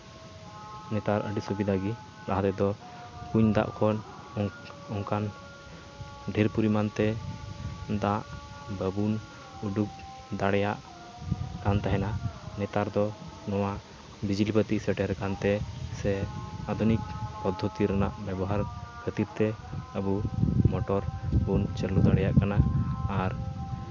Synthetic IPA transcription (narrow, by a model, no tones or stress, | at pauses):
nɛt̪aɾʔə̰ɖisubid̪aɡi | ɾaɦat̪ɛd̪ɔ | kuɲd̪a̰ʔkʰɔn | ɔŋkan | ɖʱɛɾpuɾimant̪ɛ | d̪aʔ | bəbun | uɖuk̚ | d̪aɽɛjaʔ | kant̪aɦɛnanɛt̪aɾd̪ɔnɔwa | bid͡ʒlipət̪isɛʈɛɾkant̪ɛsɛad̪ʱunik̚pɔd̪ʱːɔt̪iɾanaʔbɛbɔɦaɾkʰət̪iɾt̪ɛəbumɔʈɔɾbunt͡ʃəɾlud̪aɽɛjaʔkanaːɾ